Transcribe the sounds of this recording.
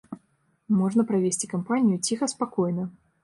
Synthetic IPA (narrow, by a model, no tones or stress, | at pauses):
mɔʐnɐpɾavʲesʲt͡sʲi̥kampanʲijut͡sʲixɐspakɔjnɐ